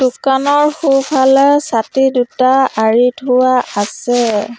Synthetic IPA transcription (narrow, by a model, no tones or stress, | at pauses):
d̥ukanɔɹxupʰalɛsatidutaaɹitʰʊwaasɛ